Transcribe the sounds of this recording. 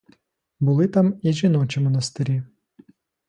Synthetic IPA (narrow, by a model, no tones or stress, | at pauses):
bʊlˠɪt̪amiʒinɔt͡ʃʲimɔnɐst̪ɪɾʲi